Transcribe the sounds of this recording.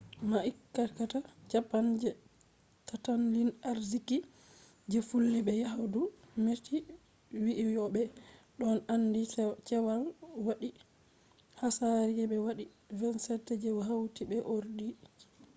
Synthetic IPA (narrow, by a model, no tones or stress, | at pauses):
maʔikːakatat͡ʃapːand͡ʒɛ | tatanlinaɾziki | d͡ʒefulːiɓɛjaɦadumeti | wiʔijɔɓɛɗɔnandit͡ʃɛwalwaɗi | hasaɾiɛbɛwaɗi | vɛnsɛtːɛd͡ʒɛwɦawtibɛʔoɾdi